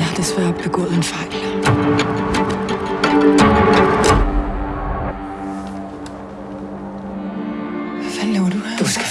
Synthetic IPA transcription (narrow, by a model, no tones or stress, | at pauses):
hɑd̥esʋæɐ̰ɒb̥b̥e̝ɡ̥ɔ̰ːð̞̩ˠe̝nfɑ̈ɪ̰l | ʋæfæleʊɐd̥ud̥usɡ̥æ